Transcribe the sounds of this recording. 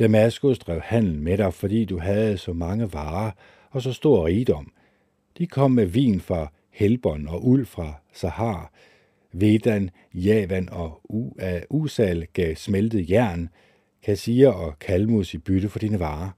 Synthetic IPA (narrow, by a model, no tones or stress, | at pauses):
d̥æmæsɡ̥usd̥ʁɛʊ̰hæn̰l̩n̩meɾɑ̈ɪfɒ̽d̥ḭːd̥uɦæð̩ˠsɒ̽mɑ̈ŋəʋɑ̈ː | ɒ̽sɒ̽sd̥o̝ɐ̰ʁiːd̥ɒ̽m̰ | d̥ikʰɒ̽m̰ːmeʋḭːnfʁɑ̈ | helb̥ɒ̽nɒ̽ʔul̰fʁɑ̈sɑ̈hɑ̰̈ː | ʋe̝d̥æn | jɛːʋænɒ̽ | usɛlɡ̥ɛsmeld̥ð̩ˠjæɐ̰n | kʰæsiɐɒ̽kʰælmusib̥yɾ̥əfɒ̽d̥iːnəʋɑ̈ː